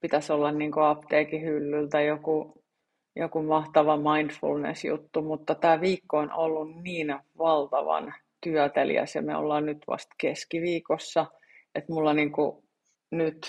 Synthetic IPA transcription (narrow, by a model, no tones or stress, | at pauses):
pit̪æsolːɑnniːŋkoɑpt̪eːkihylːylt̪æjoku | jo̰kumɑht̪ɑʋɑmɑind̪fṵlnḛsjṵt̪ːumut̪ːɑt̪æːʋiːkːoonʔolːunniːnʋɑlt̪ɑʋɑ̰n | t̪yæt̪elḭjæ̰sjḛmḛo̰lːɑːnnyt̪ʋɑ̰st̪keskiʋiːkosːɑ | et̪mulːɑniːŋku | nyt̪